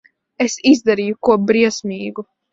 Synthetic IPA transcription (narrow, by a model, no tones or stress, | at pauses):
esizd̪aɾiːjukuɔbɾiɛsmʲiːɡu